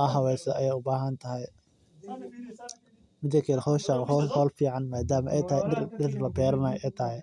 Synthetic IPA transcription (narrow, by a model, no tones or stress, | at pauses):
ɐɦɐwɛːsɛʔɐjɛːjʊbaːɦɐnt̪ʰɐɦɛj | mɪd̪ɐkʰɛlhɔʃɐhhɔːlfiːʕɑnmaːd̪aːmɐʔɛjt̪ʰɐhɛɪɖɪrlɐbɛːɾɐmɐjʔɛjt̪ʰɐɦɛj